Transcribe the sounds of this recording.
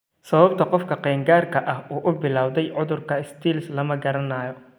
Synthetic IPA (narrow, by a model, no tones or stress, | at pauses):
sɐβɐbt̪ʰɐqɔfkʰɐqɛːŋɡaːrkʰɐʔɐɦuːʔʊbɪlaːwðɛjʕʊðʊrkʰɐɪst̪ʰiːlslɐmɐɡɐɾɐnɐːjɔ